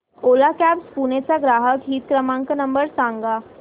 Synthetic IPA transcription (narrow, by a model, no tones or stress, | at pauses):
oːlakɛːpspuːnesaɡɾaːɦəkɦiːt̪̚kɾəmãːŋknɐ̃mbəɾsãːŋɡaː